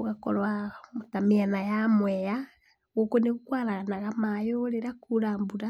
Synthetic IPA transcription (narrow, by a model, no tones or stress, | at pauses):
oɣakɔ̰ɾwamotamianajamwɛja | ɣokoneɣukwaɾaɣanaɣamajoɾeɾakuɾaːmbuɾa